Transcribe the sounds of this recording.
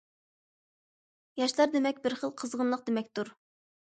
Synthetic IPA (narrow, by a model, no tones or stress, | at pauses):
jɑʃlˠɑɾd̪emɛkʲbɪɾχəlˠqʰəzʁənlˠəq̚d̪emɛkʲt̪ʰuɾ